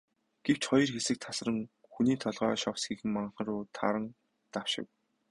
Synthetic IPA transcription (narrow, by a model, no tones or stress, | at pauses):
ɡ̥ew̥t͡ɕχɔjɞ̆rxesɘ̆k̚t̪ʰas̆rə̆ŋ | xuniːt̪ʰɔɮʁœːʃɔwsɡiːxɘ̆mmaɴχə̆rʊːt̪ʰa̰ɾə̆n | t̪aw̥ʃɪ̰̆w